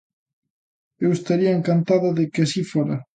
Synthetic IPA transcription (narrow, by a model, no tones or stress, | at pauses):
ewest̪aɾiɐeŋkant̪aðʊðɪkɪasifoɾɐ